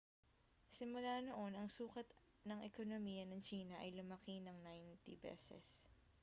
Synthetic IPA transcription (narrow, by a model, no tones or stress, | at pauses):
sɪmʊlaːno̞ʔo̞nɐŋsuːkɐt̪ | nɐŋʔɛko̞nomijɐnɐŋt͡ʃiːnɐʔɐjlʊmɐkinɐŋnajnt̪ibɛ̰ːsɛ̰s